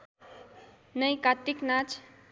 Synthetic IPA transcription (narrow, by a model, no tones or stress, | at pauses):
nəjkat̪ːiknat͡ʃʰ